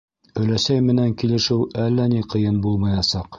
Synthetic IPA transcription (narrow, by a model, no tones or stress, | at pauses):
ɵ̆læsæjmɘ̆næŋkilɘ̆ʃɘwælːæniqɤ̆jɤnbulˠmɤ̆jɑsɑq